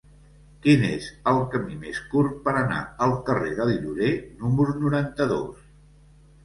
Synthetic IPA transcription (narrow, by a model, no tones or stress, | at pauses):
kinḛzəlˠkəmimeskurpəɾəna̰əlˠkəreðəliʎuɾenuməɾunuɾant̪əðo̰s